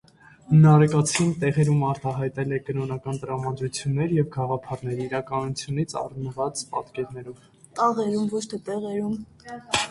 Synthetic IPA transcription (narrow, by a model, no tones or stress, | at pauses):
nɑɾkɑt͡sʰint̪ɛʁɛɾumɑɾt̪ɑɦɑjt̪ɛlɛkənɔnɑkɑnt̪əɾɑmɑd̪ɾut͡sʰjunːɛɾjɛvɡɑʁɑpʰɑɾn̪ɛɾiːɾɑkɑnut͡sʰjunit͡sʰɑ̰rnəvɑt͡spɑ̰t̪kɛɾnɛɾɔv | t̪ɑʁɛɾumvɔt͡ʃʰt̪ʰɛt̪ɛʁɛɾum